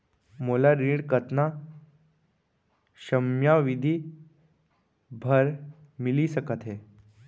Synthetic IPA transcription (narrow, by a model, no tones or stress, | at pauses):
molaɾiɽkət̪na | ɕəmjaʋid̪ʱi | bʱəɾ | milisəkət̪ɦe